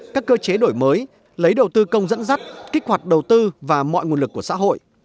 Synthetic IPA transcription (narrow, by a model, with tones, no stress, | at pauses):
kaː˦˥kːəː˧t͡ɕe˨˦ɗo˧˩jməː˨˦j | lə˨˦jɗə˨˩wt̪ɨ˧kə˧wŋ͡mzə̰˧˥nza˦˥t̚ki˦˥k̚hwa˨˩t̚ɗə˨˩wt̪ɨ˧vaː˨˩mɔ̰˧˨jŋu˨˩ənlɨ˨˩kːu˧˩əsa̰˧˥ɦo̰˧˨jʔ